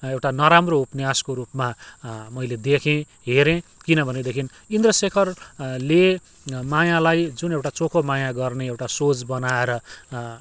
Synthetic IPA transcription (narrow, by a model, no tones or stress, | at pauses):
ewʈanʌɾamroupnjaskoɾupmamʌjled̪ekʰẽ | ɦeɾẽkinʌbʱʌned̪ekʰin | ind̪rʌsekʰʌrle | majalajd͡zunewʈat͡sokʰomajaɡʌrneewʈasot͡sbʌnaeɾʌ